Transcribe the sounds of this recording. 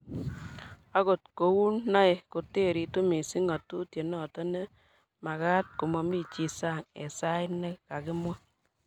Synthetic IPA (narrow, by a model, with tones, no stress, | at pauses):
a˦ko˨t̚ko˨wu˦nːa˦e˨ko˨te˦˨ɾi˨tu˦mi˨si˦ŋa˨tu˦tje˨nɔ˦˨tɔ˦ne˦ | ma˨ka˦t̚ko˨mɔ˨mi˦t͡ʃi˨sa˦˨ŋḛ˨sa˦ɪ˦ne˦ka˨kɪ˦mwa˦